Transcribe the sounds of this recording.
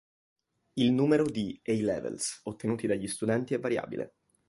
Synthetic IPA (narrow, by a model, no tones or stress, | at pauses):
ilnuːmeɾod̪iɛjlɛ̰vḛlsot̪ːenuːt̪id̪aʎːist̪ud̪ɛnt̪iɛvːaɾja̰ːbḭlʔḛ